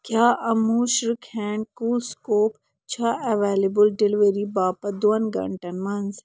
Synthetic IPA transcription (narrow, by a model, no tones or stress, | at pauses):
kjaːʔɐmuːʃɾikʰɛ̃ːɳɖkuːlskoːp | t͡ʃʰaɐʋeːlebəlɖɪlɪʋeɾibaːpɐd̪oɐnɡɐ̰ɳʈɐnmɐnz